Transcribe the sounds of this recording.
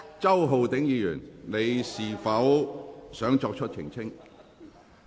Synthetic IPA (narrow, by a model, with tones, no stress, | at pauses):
t͡sɐ˥wɦo˨wt̪ɪ˨˥ŋjiː˨˧jy̰ː˨˩nne˨˧jsiː˨˩fɐ˨˥wsœː˨˥ŋt͡ʃɔː˧k̚t͡ʃʰɵ˥t̚t͡sʰɪ̰˨˩ŋt͡sʰɪ˥ŋ